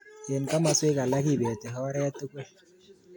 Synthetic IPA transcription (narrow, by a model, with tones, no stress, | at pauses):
je˨nka˦ma˨swe˦ka˨la˦ki˦˨be˨te˨ɦɔ˦ɾɛ˦ja˦tːu˦ke˦